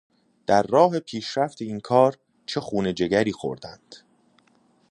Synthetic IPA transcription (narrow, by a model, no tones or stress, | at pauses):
d̪̥æɾːɒːɦe̞pʰiːʃɾæft̪ʰe̞iːnkʰɒːɾ | t͡ʃʰe̞xuːne̞d͡ʒe̞ɡæɾiːxo̞̰ɾd̪ænd̪̥